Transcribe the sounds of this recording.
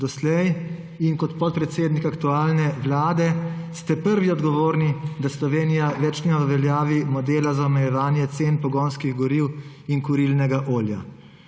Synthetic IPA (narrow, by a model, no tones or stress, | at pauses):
d̪ɔslɛj | inkɔt̪pɔt̪̚pɾɛt̪seːd̪nikakt̪uaːlnɛʋlaːd̪ɛst̪ɛpəɾʋiɔd̪ɡɔʋoːɾnid̪aslɔʋeːnijaʋɛt͡ʃnɛɔʋɛljaːʋimɔd̪eːlazaɔmɛjɛʋaːnjɛt̪seːnpɔɡoːnskiɣɡɔɾiw | inkuɾilnɛɡaʔoːlja̰